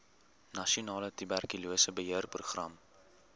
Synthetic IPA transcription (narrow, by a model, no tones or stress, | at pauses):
nɐʃiunɑːlətybærkyluəsəbəɦiərpruχrɐ̰m